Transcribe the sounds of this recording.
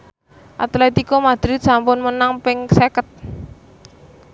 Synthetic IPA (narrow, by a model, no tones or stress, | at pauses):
ʔa̰t̪lat̪ikɔmad̪̥ɾɪt̪̚sampʊnmənaŋpɪŋsekət̪̚